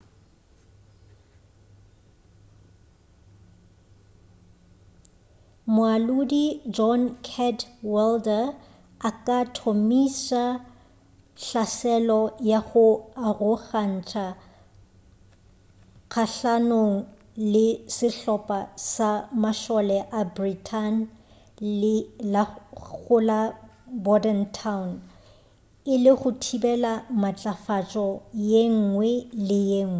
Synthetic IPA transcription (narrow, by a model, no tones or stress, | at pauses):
mʊalʊdid͡ʒɔnkʰɛdwɛldɛ | akʼatʰomisa | ɬasɛlɔjaɣʊarʊɣan̩t͡ʃʰʼa | ɣʰaɬanoŋ̩ | lɪsɪɬɔpʼasamaʃɔlɛʔabritʰan | laɣʊlabɔdɛntʰaʊn | ɪlɪχʊtʰibɛlamat͡ɬʼafat͡ʃʼɔjeŋ̩ŋwɛlɪjeŋ̩ːwɛ